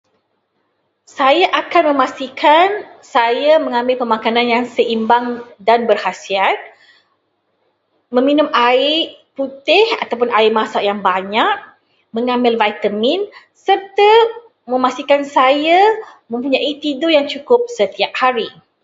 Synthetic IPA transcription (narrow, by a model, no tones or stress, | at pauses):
sajaʔakanmə̃mãst̪ikʰansajamə̃ŋãmbɪlpəmãkanãnjaŋsəʔimbaŋdanbərhasiat̪̚ | mə̃mĩnʊ̃maɪʔput̪ɪhat̪awp̬ʊnaɪʔmasaʔjaŋbaɲak̚ | mə̃ŋãmbɪlvajt̪əmĩn | sərt̪a | mə̃mast̪ikansajamə̃mpuɲaʔit̪idojaŋt͡ʃukʊp̚sət̪iap̚haɾi